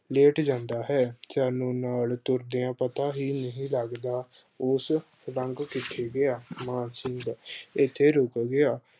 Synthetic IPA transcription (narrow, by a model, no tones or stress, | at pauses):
leːʈd͡ʒãːnd̪aːɦɛːsaːnũːnaːlt̪ʊɾd̪ijãːpət̪aːɦiːnəɦĩːləɡd̪aː | os | ɾəŋɡkɪʈʰeːɡɪaːmãːnsɪŋɡɪt̪ʰːeːɾoːkɡɪaː